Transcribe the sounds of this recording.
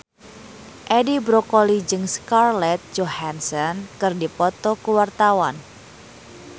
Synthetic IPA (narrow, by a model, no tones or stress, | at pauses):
ʔɛdibɾokɔlid͡ʒɨŋskarlɛt̪̚d͡ʒohansɔnkɨrdipɔt̪ɔkuwart̪awan